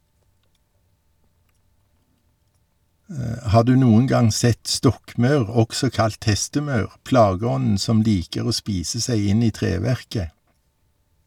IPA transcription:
ˈhɑː ˈdʉː ˈnuːən ˈɡɑŋ ˈsɛt ˈstɔkˌmɑʉʁ ˈɔksɔ ˈkɑlt ˈhɛstəˌmɑʉʁ ˈplɑːˌɡɔnn̩ ˈsɔm ˈliːkəʁ ˈoː ˈspiːsə ˈsæɪ ˈɪn ˈiː ˈtʁeːˌʋæʁkə

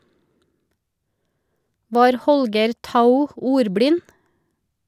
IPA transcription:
ˈʋɑːɾ ˈhɔlɡəɾ ˈtaʊ ˈuːɾˌbɽɪn

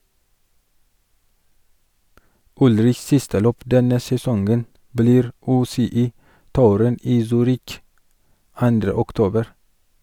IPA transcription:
ˈʊlɾɪçs ˈsɪstə ˈløːp ˈdɛnə sɛˈsɔŋɡən bəˈliːɾ ˈʉːsɛˌiːˌtuːɾən ˈiː ˈsyːɾɪk ˈɑndɾə ʊkˈtoːbəɾ

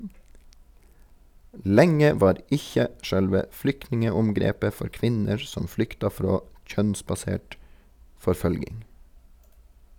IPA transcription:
ˈlɛŋə ˈʋɑːɾ ˈɪçə ˈʃœlʋə ˈflʏknɪŋəʊmˌɡɾeːpə ˈfɔɾ ˈkʋɪnəɹ ˈsɔm ˈflʏktɑ ˈfɾoː ˈc͡çœnsbɑˌseːʈ fɔɾˈføːlɡɪŋ

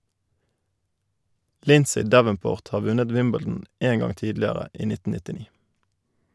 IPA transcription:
ˈlɪnsɪ ˈdæʋənˌpoːʁt ˈhɑː ˈʋʉnəd ˈwɪmbɛl̩dn̩ ˈeːn ˈɡɑŋ ˈtiːdlɪəʁə ˈiː ˈnɪtn̩ nɪtɪˈniː

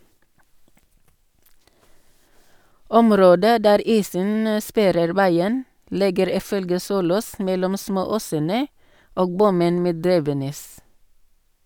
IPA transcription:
ˈɔmˌɾoːdə ˈdæːɾ ˈiːsən ə ˈspæɾəɾ ˈʋæɪən ˈlɪɡəɾ ˈiː ˈfœlɡə ˈsuːloːs ˈmɛlɔm ˈsmoːˌoːsənə ˈoːɡ ˈbʊmən ˈmeː ˈdɾiːʋəˌnɛs

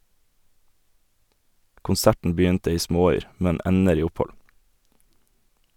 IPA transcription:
kʊnˈsæʈn̩ ˈbʏntə ˈiː ˈsmoːˌyːɾ ˈmɛn ˈɛnəɾ ˈiː ˈʊˌpɔl

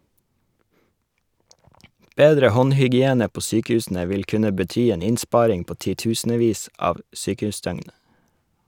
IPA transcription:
ˈbeːdɾə ˈhɔnhʏɡɪˌeːnə ˈpoː ˈsyːkəˌʉːsn̩ə ˈʋɪl ˈkʉnə bəˈtyː ˈeːn ˈɪnˌspɑːɾɪŋ ˈpoː ˌtiːˈtʉːsn̩əˌʋiːs ˈɑːʋ ə ˈsyːkəˌʉːˌsdœŋn

